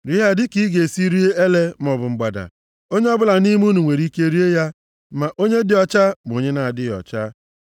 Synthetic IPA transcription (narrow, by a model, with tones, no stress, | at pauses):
ɾi˦ɦa˦dɪ˦ki˦ɡe˨si˦ɾi˦e˦e˦le˦m˦ɔ˨bʊ˨ŋ͡m̩˨ɡ͡ba˨da̰˨ | o˦ɲe˦ɔ˦bʊ˦la˨ni˦m˦u˦nu˨ŋʷe˨ɾi˦ke˦ɾi˦e˦ja˦ | ma˨ʔo˦ɲe˦dɪ˦ɔ˨t͡ʃa˦m˨o˨ɲe˦na˨a˨dɪ˦ɔ̰˨t͡ʃa˦